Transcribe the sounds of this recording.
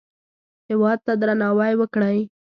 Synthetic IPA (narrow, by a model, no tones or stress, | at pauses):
hɪwɑd̪̚t̪ad̪ɾanɑwajwəkɽəj